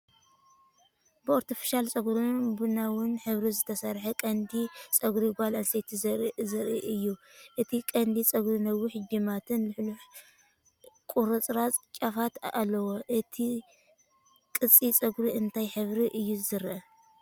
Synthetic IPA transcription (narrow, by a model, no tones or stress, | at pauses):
bɨoɾt̪ʰifi̥ʃalt͡sʼɐɡɾubɨnawʊnħɨβɾizɨt̪ʰɐsɐɾħɐkʼɐnd̪it͡sʼɐɡɾiɡʷalʔɐnset̪ʰizzɐɾʔiʔɨjːuʔɨt̪ʰikʼɐnd̪it͡sʼɐɡɾinɐwːiħɨd͡ʒimat̪ʰɨnlɨħluħ | kʼuɾot͡sʼɾat͡sʼt͡ʃʼafat̪a̰lːɐwoʔɨt̪ʰi | kʼɨt͡sʼːit͡sʼɐɡɾiɨnt̪ʰajħɨβɾiʔɨjːuzɨɾʔɐ